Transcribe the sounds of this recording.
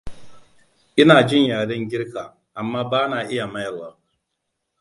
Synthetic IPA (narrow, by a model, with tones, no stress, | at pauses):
ʔɪ˦naː˨d͡ʒɪ˦ɲjaː˨ɽɐ˦ŋɡʲɪ˦ɾkaː˨ | ʔa˨mːaː˦baː˦naː˨ʔɪ˦ja˨mɐ˦jɐ˨waː˦